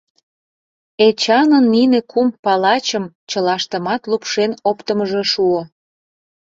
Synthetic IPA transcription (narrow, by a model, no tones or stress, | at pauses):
et͡ɕɑnənːinekumpɑlɑt͡ɕəm | t͡ɕəlɑʃt̪ə̆mɑt̪lupʃenopt̪əməʒeʃuo